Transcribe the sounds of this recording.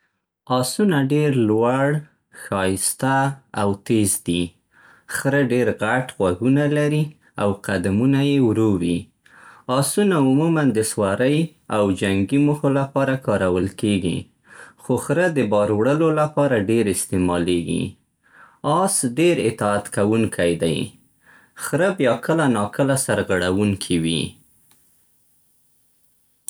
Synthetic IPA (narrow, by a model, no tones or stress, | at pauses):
ɑsunaɖeɾlwaɽ | xɑjɪst̪aawt̪ezd̪i | xɾəɖeɾɣaʈɣwaɡunalaɾi | awqad̪amunajewɾowi | ɑsunaʊmumand̪əswaɾəj | awd͡ʒaŋɡimuxolapɑɾakɑɾawəlkeɡḭ | xoxɾəd̪əbɑɾwɽəlolapɑɾaɖeɾɪst̪emɑleɡḭ | ɑsɖeɾɪ̰t̪ɑat̪kawuŋkʰajd̪a̰j | xɾəbjɑkəlanɑkəlasaɾɣaɽawuŋkʰiwḭ